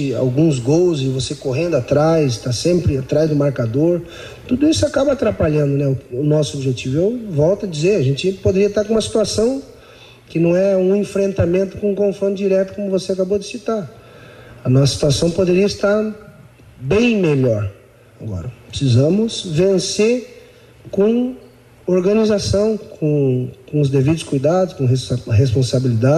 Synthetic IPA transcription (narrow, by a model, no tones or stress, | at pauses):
ɪa̰wɡũzɡowzɪvosekoɦẽnd̪ʊat̪ɾajsɪst̪asẽmpɾɪat̪ɾazd̪ʊmaɾkad̪oɾ | t̪ud̪ʊisʊakabɐat̪ɾapaʎɐ̃nd̪ʊnɛʊʊnɔsʊobiʒet͡ʃivʊewvɔwt̪ɐd͡ʒizeɾɐʒẽnt͡ʃɪpod̪eɾiɐt̪aɾkõũmɐsi̥t̪uasɐ̃w̃ | kɪnɐ̃w̃ɛũẽfɾẽnt̪amẽnt̪ʊ̥kõũkõfɾõnʊd͡ʒiɾɛt̪ʊ̥kõmʊvoseakabod͡ʒ̪ɪsit̪aɾ | ɐnɔsɐ̥si̥t̪uasɐ̃w̃pod̪eɾiɐɪst̪aɾ | bẽj̃meʎɔɾ | aɡɔ̰ɾɐpɾɪsizɐ̃mʊzvẽseɾ | kõ | oɾɡɐ̃nizasɐ̃w̃kʰõkõʊzd̪evid̪ʊskujd̪ad̪ʊskõeɦespõsabilid̪a